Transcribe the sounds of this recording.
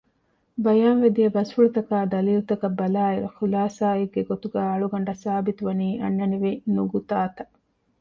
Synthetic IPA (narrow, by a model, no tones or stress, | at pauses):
bɐjaːnʋed̪ijɐbɐsfuɭut̪ɐkaːd̪ɐliːlut̪ɐkɐbːɐlaːeɾuxulaːsaːeɡːeɡot̪uɡæːɐɭuɡɐɳɖɐsaːbit̪uʋɐniːʔɐ̰nːɐniʋenuɡut̪aːt̪ɐ